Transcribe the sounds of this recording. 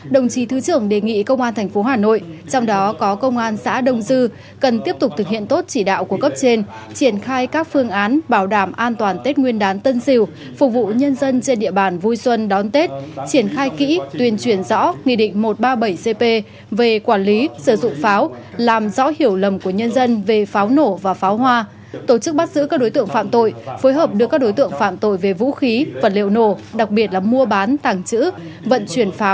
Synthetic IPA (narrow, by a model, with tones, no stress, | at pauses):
ɗə˨˩wŋ͡mt͡ɕi˨˦t̪ʰɨ˨˦t͡ɕɨ˧˩əŋɗe˨˩ŋḭ˧˨kə˧wŋ͡mʔaː˧nt̪ʰɛ˨˩ŋ̟fo˨˦ɦaː˨˩no̰˧˨jt͡ɕɔ˧wŋ͡mɗɔ˨˦kɔ˨˦kə˧wŋ͡mʔaː˧nsa̰ː˧˥ɗə˧˩wŋ͡mzɨ˧ | kə˨˩nt̪i˦˥əp̚t̪ʊ˨˩k͡p̚t̪ʰɨ˨˩k̚hḭ˧˨ənt̪o˦˥t̚t͡ɕi˧˩ɗa̰ː˧˨wku˧˩əkə˦˥p̚t͡ɕe˧n | t͡ɕi˧˩ənxaː˧jkaː˦˥k̚fɨ˧əŋʔaː˨˦nɓaː˧˩wɗaː˧˩mʔaː˧nt̪waː˨˩nt̪e˦˥t̚ŋwi˧ənɗaː˨˦nt̪ə˧nsi˧˩w | fʊ˨˩k͡p̚vṵ˧˨ɲə˧nzə˧nt͡ɕe˧nɗḭ˧˨əɓaː˨˩nvu˧jswə˧nɗɔ˨˦nt̪e˦˥t̚t͡ɕi˧˩ənxaː˧jkḭ˧˥t̪wi˨˩ənt͡ɕwi˧˩ənzɔ̰˧˥ŋḭ˧˨ɗḭ̈˧˨ŋ̟mo˨˩t̚ɓaː˧ɓə˧˩jse˧pe˧ | ve˨˩kwaː˧˩nli˨˦sɨ˧˩zʊ̰˧˨ŋ͡mfaː˨˦w | laː˨˩mzɔ̰˧˥hi˧˩əwlə˨˩mku˧˩əɲə˧nzə˧nve˨˩faː˨˦wno˧˩vaː˨˩faː˨˦whwaː˧ | t̪o˧˩t͡ɕɨ˦˥k̚ɓa˦˥t̚zɨ̰˧˥kaː˦˥k̚ɗo˨˦jt̪ɨ̰˧˨əŋfa̰ː˧˨mt̪o̰˧˨jfoː˨˦jɦəː˨˩p̚ɗɨ˨˩k̚ːɗo˨˦jt̪ɨ̰˧˨əŋfa̰ː˧˨mt̪o̰˧˨jve˨˩vṵ˧˥xi˨˦vaː˨˩lḭ˧˨əwno˧˩ɗa˨˩k̚ɓi˨˩ət̚laː˨˩mu˧əɓaː˨˦nt̪aː˨˩ŋt͡ɕɨ̰˧˥ | və̰˧˨nt͡ɕwi˧˩ənfaː˨˦w